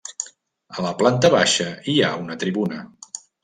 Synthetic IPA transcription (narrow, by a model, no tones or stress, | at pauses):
ələplant̪əβaʃəiaunət̪ɾiβunə